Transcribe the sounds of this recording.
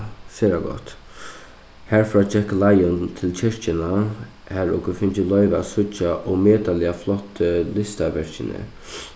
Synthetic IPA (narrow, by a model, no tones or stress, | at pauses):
sɛːɾaɡɔ̰ht̪ | hæɹfɹɔːt͡ʃɛklajʊnt̪ʰɪlt͡ɕʰɪʂt͡ʃɪna | hæɹɔkʊfɪnt͡ʃɪlɔʏʋa̰sʊt͡ʃːaʔɔmeːt̪alɪaflɔht̪ʰːəlɪst̪aʋɛɹ̥t͡ʃɪnə̰